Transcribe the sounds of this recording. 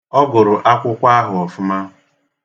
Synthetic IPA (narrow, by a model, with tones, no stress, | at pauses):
ɔ˦ɡʊ˨ɾʊ˨ʔa˦kʷʊ˦kʷa˦ɦʊ˨ɔ˨fʊ˦ma˦